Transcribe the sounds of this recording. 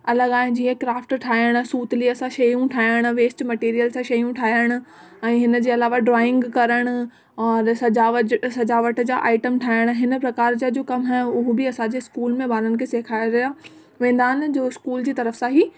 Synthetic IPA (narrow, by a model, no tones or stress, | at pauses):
ɐləɡaːɦɪ̃nd͡ʑiːẽkɾaːfʈʈʰaːəɽ̃suːt̪liɐsãʃɐjũʈʰaːəɽ̃ʊ̆ʋeːsʈmɐʈiːɾijəlsãʃɐjũʈʰaːjəɽ̃ʊ̆ | ɛ̃ːɦɪnəd͡ʑeːɐlaːʋaɖɾɔːɪ̃ŋɡkɐɾəɽ̃ʊ̆ | ɔːɾsɐd͡ʑaːʋəsɐd͡ʑaːʋəʈd͡ʑa̰ːʔaːɪʈəmʈʰaːɪəɽ̃ɦɪnpɾɐkaːɾd͡ʑad͡ʑoːkɐmɦɛːʊɦʊbɪɐsãd͡ʑeɪskuːlmẽbaːɾənkʰeseːkʰaːjaɾɐɦja | ʋẽːn̆d̪aːnd͡ʑoːɪskuːld͡ʑiːt̪ɐɾəfsãɦiː